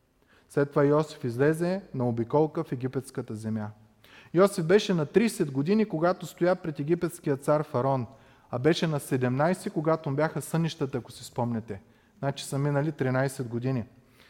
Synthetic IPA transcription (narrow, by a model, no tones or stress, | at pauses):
slɛt̪ːovajɔsi̥fizlɛzɛnɐobikɔlˠkəfɛɡʲipɛt̪skət̪əzɛmja | jɔsifbɛʃɛnɐt̪ɾisɛd̪ɡod̪inikoɡat̪ost̪ojapɾɛt̪ɛɡ̟ipɛt̪skijət̪saɾfɐɾɔn | ɐbɛʃɛnɐsɛd̪ɛmnajsɛkoɡat̪obʲjaxəsɤnʲiʃt̪ət̪əɐkosispɔmnɛt̪ɛ | nat͡ʃi̥səminəlit̪ɾinajsɛd̪ɡod̪ini